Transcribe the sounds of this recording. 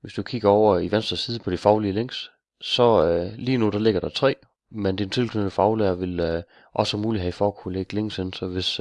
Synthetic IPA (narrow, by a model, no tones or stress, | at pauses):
ʋe̝sd̥ukʰiɡ̥ɐɒʊ̰ɐiʋensd̥ʁɐsiːð̞ˠəpʰɒ̽d̥ifɑ̈ʊliəleŋ̰s | sɒ̽liːnud̥ɑ̈le̝ɡ̥ɐɾ̥ɑ̈t͡sʰʁɛ̰ː | mend̥int͡sʰe̝lkʰøndəfɑ̈ʊleɐʋe̝l | ʔɒ̽sɒmuːliɦæifɒːkʰuleɡ̥leŋ̰sensɒ̽ʋe̝s